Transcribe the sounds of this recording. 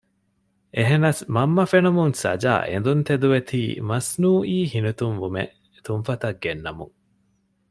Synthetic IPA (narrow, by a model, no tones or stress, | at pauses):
ʔeɦenɐsmɐmːɐfenumuŋsɐ̰d͡ʒa̰ːʔḛnd̪unt̪ed̪uʋet̪ʰḭːmɐsnuːʔiːhinut̪uŋʋumḛ | t̪unfɐt̪ɐɡːenːɐmṵŋ